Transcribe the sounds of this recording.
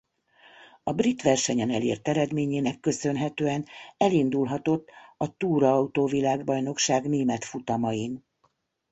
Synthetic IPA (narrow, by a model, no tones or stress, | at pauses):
ɒbrit̪ʋɛrʃɛɲɛnɛlḛːrt̪ɛɾɛd̪meːɲeːnɛkːø̞sø̞nɦɛt̪øːɛnɛlind̪ulɦɒt̪o̞t̪ːɒt̪uːɾɒɒut̪oːvilaːɡbɒjno̞kʃaːɡneːmɛt̪fut̪ɒmɒjin